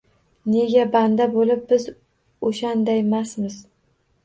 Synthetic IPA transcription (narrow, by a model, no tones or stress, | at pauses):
ne̞ɡʲaband̪abolɪp̚bɪz | oʃand̪ajmasmɪz